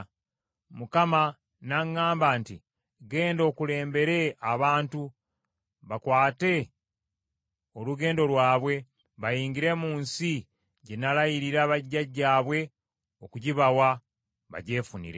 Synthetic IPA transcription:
mukama | naŋːaːmbaːnti | ɡe̞ːndo̞ːkule̞ːmbe̞ɾe̞aβaːntu | βakwaːte̞ | oluɡe̞ːndo̞lwaːβwe̞ | βajiːŋɟiɾe̞muːnsi | ɟe̞nalajiɾiɾaβaɟːaɟːaːβwe̞ | o̞kuɟiβawa | βa̰ɟe̞ːfunḭɾe

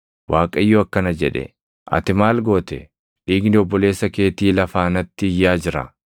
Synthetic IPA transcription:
waːkʼɐjːɔɐkːɐnɐd͡ʒɛᶑɛ̰ | ʔɐ̰t̪ɪmaːlɡo̞ːt̪ɛ | ᶑiːɡnɪɔbːɔle̞ːsːɐke̞ːt̪iːlɐfaːnɐt̪ːɪɪjːaːd͡ʒɪɾɐ̰

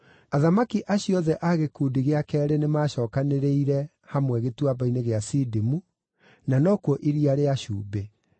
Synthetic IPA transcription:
aðamakiʔaɕjɔðɛʔaɣekuːdiɣeakɛːɾenemaːɕɔːkaneɾeiɾɛ | hamwɛɣetwabaineɣeasidimu | nanɔkwɔʔiɾiaɾeaɕuːbe

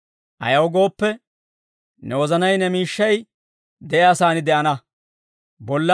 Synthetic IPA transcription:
ʔɐ̰jɐwɡo̞ːpːɛ | nɛwɔzɐnɐjnɛmiːʃːɐj | d̪ɛʔɛɐsaːnɪd̪ɛʔɐnɐ | bɔlːɐ

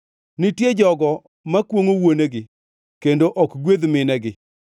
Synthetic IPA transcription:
nɪtjed͡ʒɔɡɔ | makwoŋowoneɡɪ | kendoʔɔkɡwed̪mɪnɛɡɪ

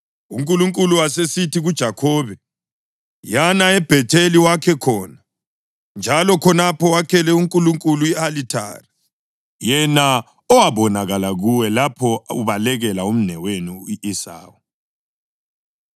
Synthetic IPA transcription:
ṵŋkʼuluŋkʼuluwasesitiɣud̥ʒ̥ʱakʰɔːβɛ | janaɛb̥ʱɛtʰeliwakʰɛkʰɔːna | nd͡ʒʱalɔkʰɔnapʰɔwakʰɛlɛuŋkʼuluŋkʼuluialitʰa̰ːri | jɛna | ɔwaβɔnaɣalaɣuwɛlapʰɔuβalɛɣɛlaum̩nɛweniiʔisa̰ːwu

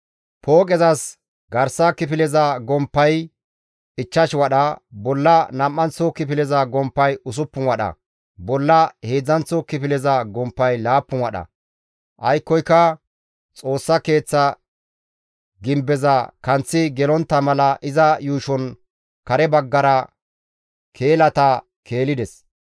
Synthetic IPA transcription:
pʰoːkʼɛzɐs | ɡɐɾsɐkɪp̬ɪlɛzɐɡɔmpːɐj | ɪt͡ʃːɐʃwɐɗɐbɔlːɐnɐmːɐnt͡sːɔkɪpɪlɛzɐɡɔmpːɐjʊs̬ʊpːʊnwɐɗɐ̰ | bɔlːɐhe̞ːd͡zɐnt͡sːɔkɪpɪlɛzɐɡɔmpːɐjlaːpːʊnwɐɗɐ̰ | ʔɐjkːɔjkːɐ | t͡sʼo̞ːsːɐke̞ːt͡sːɐ | ɡɪmbɛzɐkɐnt͡sːɪɡɛlɔnt̪ːɐmɐlɐʔɪzɐjuːʃɔn | kɐɾɛbɐɡːɐɾɐ | kʰe̞ːlɐt̪ɐ | kʰe̞ːlɪd̪ɛs

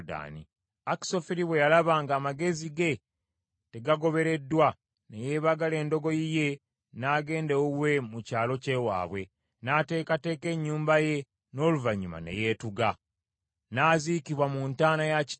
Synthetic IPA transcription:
da̰nḭ | aki̥so̞fiɾiβwe̞jalaβaːŋɡaːmaɡe̞ziɡe̞ | te̞ɡaɡo̞βe̞ɾe̞dːwa | neje̞ːβaɡale̞ːndo̞ɡo̞jije̞ | naːɡe̞ːndewuwe̞mucaːlo̞ce̞ːwa̰ːβwe̞ | naːte̞ːkate̞ːke̞ɲːuːmbaje̞ | no̞ːluvaɲːuma̰ne̞̰je̞ːtuɡa | naːzikiβwamuntaːnajac

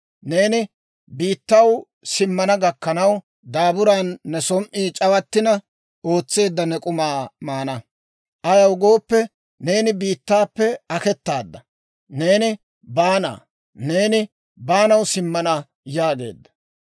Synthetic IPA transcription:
ne̞ːnɪ | biːt̪ːɐw | sɪmːɐnɐɡɐkːɐnɐw | d̪aːbʊɾaːnːɛsɔmʔiːt͡ʃʼɐwɐt̪ːɪnɐ | o̞ːt͡sːe̞ːd̪ːɐnɛkʼʊmaːmaːnɐ | ʔɐjɐwɡo̞ːpːɛ | ne̞ːnɪbiːt̪ːaːpːɛɐkɛt̪ːaːd̪ːɐ | ne̞ːnɪ | baːna̰ː | ne̞ːnɪ | baːnɐwsɪmːɐnɐ | jaːɡe̞̰ːd̪ːɐ̥

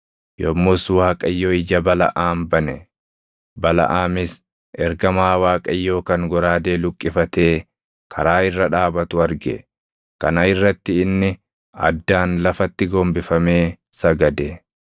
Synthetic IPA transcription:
jɔmːʊswaːkʼɐjːoːɪd͡ʒɐbɐlɐ̰ʔaːmbɐnɛ | bɐlɐ̰ʔaːmɪs | ʔɛɾɡɐmaːwaːkʼɐjːo̞ːkɐŋɡɔɾaːd̪e̞ːlʊkʼːɪfɐt̪e̞ː | kʰɐɾaːɪrːɐᶑaːbɐt̪ʊɐɾɡɛ̰ | kɐnɐɪrːɐt̪ːɪːnːɪ | ɐ̰d̪ːaːnlɐfɐt̪ːɪɡoːmbɪfɐme̞ː | sɐɡɐd̪ɛ

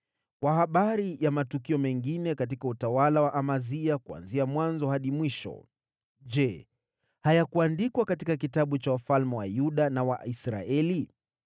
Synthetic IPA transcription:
kwahaɓaɾijamatukiɔmɛŋɡinɛkatikautawalawaʔamaziakua̰nziamwanzɔhaɗimwiʃɔ̰ | d͡ʒɛ | hajakuandikwakatikakitaɓut͡ʃawafalmɛwa̰juɗanawa̰isɾa̰ɛli

